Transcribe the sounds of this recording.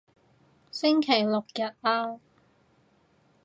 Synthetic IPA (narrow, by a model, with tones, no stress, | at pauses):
sɪ˥ŋkʰe˨˩jlʊ˨k̚jɐ˨t̚ʔaː˧